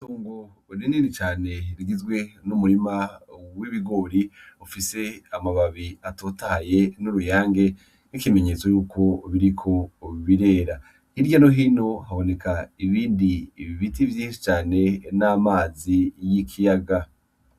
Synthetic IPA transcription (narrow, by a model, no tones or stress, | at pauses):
tuːŋɡo | ɾiniɾit͡ʃaːne̞ɾiɡizɡwe̞numuɾimawiβiɡo̞ːɾiufise̞amaβaβiatoːtaaje̞nuɾujaːŋɡe̞ | nikime̞ɲe̞ːt͡so̞juːkʰo̞βiɾikʰo̞βiɾe̞ːɾa | hiɾɟanoɦino̞haβo̞ne̞kʰaiβiːndiβitivjiːʃi̥t͡ʃaːne̞naːmaːzijikʰijaɡa